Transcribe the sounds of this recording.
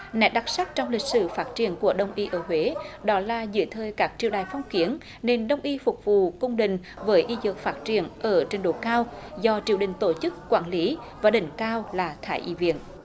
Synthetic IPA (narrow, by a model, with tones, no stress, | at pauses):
nɛ˨˥ɗa˨˦˥k̚sa˦˥k̚t͡ɕɔ˧wŋ͡mlï˨˩k̟̚sɨ̰˧˩faː˦˥t̚t͡ɕi˧˩ənku˧˩əɗə˧wŋ͡mʔi˧ʔəː˧˩ɦwe˨˦ɗɔ˨˦laː˨˩zɨ̰˧˨əjt̪ʰəː˨˩jkaː˦˥k̚t͡ɕi˧˨əwɗaː˨˩jfɔ˧wŋ͡mki˨˦ən | ne˧nɗə˧wŋ͡mʔi˧fʊ˨˩k͡p̚vṵ˧˨kʊ˧wŋ͡mɗḭ̈˧˨ŋ̟ | vəː˨˦jʔi˧zɨ̰˨˩ək̚faː˦˥t̚t͡ɕi˧˩ənʔəː˧˩t͡ɕe˧nɗo˧˨˩kaː˧wzɔ˧t͡ɕi˧˩əwɗï˧˨ŋ̟t̪o˧˩t͡ɕɨ˦˥k̚ːwaː˧˩nli˨˦ | vaː˨˩ɗï˧˩ŋ̟kaː˧wlaː˨˩t̪ʰaː˧˩˦jʔḭ˧˥vḭ˧˩˨ən